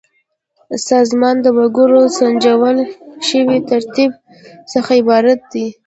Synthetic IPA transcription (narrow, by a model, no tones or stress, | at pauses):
sɑzmɑnd̪əwaɡuɾosand͡ʒawəlʃəwit̪aɾt̪ib̚ | səxaɪbɑɾat̪̚d̪i